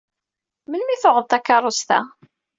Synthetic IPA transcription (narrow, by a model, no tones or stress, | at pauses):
mənmiθʊʁəðˤt̪ˤɑkːɑɾˤost̪æ̰